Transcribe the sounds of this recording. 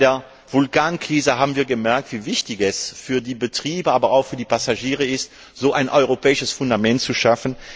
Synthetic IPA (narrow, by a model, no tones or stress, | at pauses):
deːɐ | v̥ʊlkaːnkʁ̥iːzəɦaːbm̩viːɐɡəmɛɐk̚tv̥iːvɪçtɪçɛsfyːɐdiːbətʁ̥iːbəaːbɐaʊxfyːɐdiːpasaʒiːʁəɪst | z̥oːʔaɪnʔɔʏʁopɛːɪʃəsfʊndamɛntt͡suʃafn̩